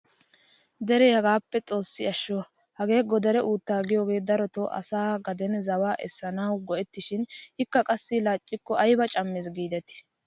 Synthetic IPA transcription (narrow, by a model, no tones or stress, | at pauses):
d̪ɛɾɛhɐɡaːpːɛt͡sʼo̞ːsːɪɐʃːɔ | hɐɡe̞ːɡɔd̪ɛɾɛʔuːt̪ːaːɡɪjo̞ːɡe̞ːd̪ɐɾɔt̪ɔʔɐ̰saːɡɐd̪ɛnzɐwaːʔɛ̰sːɐnɐwɡɔʔɛt̪ːɪʃɪnhɪkːɐkʼɐsːɪlaːt͡ʃʼːɪkːɔɐjbɐt͡ʃʼɐmːɛs̬ɡiːd̪ɛt̪ɪ̥